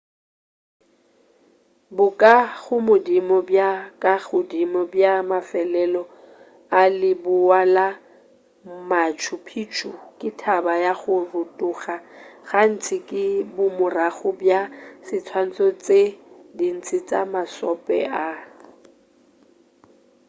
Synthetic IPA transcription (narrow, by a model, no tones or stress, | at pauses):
bʊkʼaɣʊmʊdimɔbjakʼaɣʊdimɔbjamafɛlɛlɔ | alɪbʊwala | mat͡ʃʰʊpʰit͡ʃʰukʼɪtʰabajaχʊrʊtʼʊχaɣan̩t͡sʰɪkʼɪbʊmʊraɣʊbjasɪt͡sʰwan̩t͡sʼɔt͡sʼedin̩t͡sʰʼɪt͡sʼa̰masɔpʼɛ̰ʔa